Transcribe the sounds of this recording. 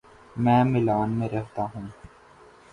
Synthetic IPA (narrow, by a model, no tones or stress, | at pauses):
mɛ̃ːmɪlaːnmẽɾɛɦt̪aɦũː